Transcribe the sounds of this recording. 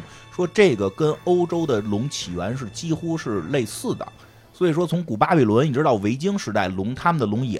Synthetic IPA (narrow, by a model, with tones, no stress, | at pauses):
ʂwɔ˥ʈ͡ʂɤ˥˩ɡə˩kə˥no˥ʊʈ͡ʂo˥ʊd̪ə˨lʊ˧˥ŋt͡ɕʰi˨˩ɥə˧˥nʂ̬ɻ̩˥˩t͡ɕi˥xu˥ʂɻ̩˥˧le˥˧ɪsɹ̩˥˩d̪ə̰˩ | swɔ˧˥i˨˩ʂ̬wɔ˥t͡sʰʊ˧˥ŋku˨˩pa˥pi˨˩lwə˧˥ni˨˩ʈ͡ʂɻ̩˥t̪ɑ˥˩ʊʋe˧˥ɪt͡ɕi˥ŋʂɻ̩˧˥t̪a˥˩ɪlʊ˧˥ŋt̪ʰa˥mə˨nd̪ə˩lʊ˧˥ŋɛ̰˨˩